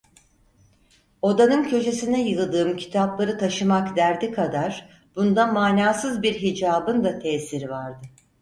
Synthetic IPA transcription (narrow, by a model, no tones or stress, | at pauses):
o̞d̪anɯncʰø̞t͡ʃe̞sinɛjɯlˠd̪ɯːmcʰi̥t̪ʰaplˠaɾɯt̪ʰaʃɯmakd̪æɾd̪ikʰad̪aɾ̥ | b̥und̪amaːnaːsɯzbiɾɦid͡ʒaːbɯnd̪at̪ʰɛːsiɾivaɾd̪ɯ